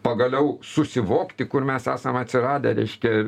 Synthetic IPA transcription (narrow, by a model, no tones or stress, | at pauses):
pɐɡɐlʲɛʊsʊsʲɪʋoːkt̪ʲɪkʊrmʲɛsæːsɐmɐt̪ʲsʲɪrɑːd̪ʲɛɾʲɛɪʃʲkʲɛ